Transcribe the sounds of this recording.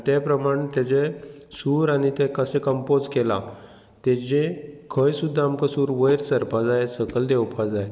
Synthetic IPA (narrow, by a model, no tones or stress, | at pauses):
t̪epɾəmaɽ̃t̪ɛt͡sesuɾanit̪ɛ̃kəsẽkəmpod͡zkela̰ | t̪et͡ɕekʰəjsud̪ʱːaːmkasuːɾʋəjɾsəɾpad͡zajsəkəld̪ewpʰad͡zaj